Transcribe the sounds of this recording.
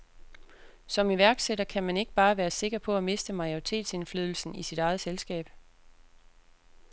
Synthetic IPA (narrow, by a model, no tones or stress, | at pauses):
sɒ̽miʋæɐɡ̥seɾɐkʰæmæne̝ɡ̥əb̥ɑ̈ːʋæːɐse̝ɡ̥ɐpʰɒ̽æme̝sd̥əmɑ̈jo̝ʁit͡sʰe̝̰ːd̥se̝nflyðˠl̩sn̩isid̥ɾɑ̈ɪð̞̩ˠselsɡ̥ɛ̰ːb̥